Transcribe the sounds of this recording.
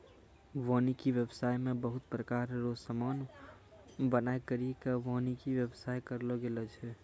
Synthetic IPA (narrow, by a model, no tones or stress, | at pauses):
ʋɔnikiʋəbsajmebəɦʊt̪pɾəkaɾːosəman | bənaekəɾikaʋɔnikiʋjəbsajkəɾlɔɡelɛt͡ʃʰɛ